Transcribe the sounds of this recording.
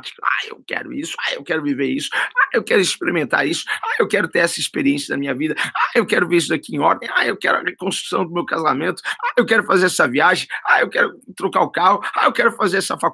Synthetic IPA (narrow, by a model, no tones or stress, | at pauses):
t͡ʃ̪i̥kʊa̰ḛwkɛ̰ɾʊ̰isʊ̥aewkɛɾʊviveɾisʊ̥aewkɛɾʊispeɾimẽnt̪a̰ɾisʊ̥ajewkɛɾʊt̪eɾɛsɐispeɾiẽsijɐnɐmĩɲɐvid̪ɐaewkɛɾʊveɾisʊd̪akiẽɔ̰ɾd̪ẽj̃ajewkɛ̰ɾʊɐ̰ʁekõst̪ɾu̥sɐ̃w̃d̪ʊmewkazamẽnt̪ʊ̥aewkɛɾʊfazeɾɛsɐviaʒẽj̃ajewkɛɾʊt̪ɾokaʊkahʊaewkɛɾʊfazeɾɛsɐfa